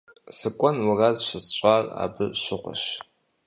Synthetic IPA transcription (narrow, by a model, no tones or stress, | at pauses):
sɨkʷʼɔnwarazʃʷɨst͡ʃʷʼara̰bɨʃɪχʷa̰ʃ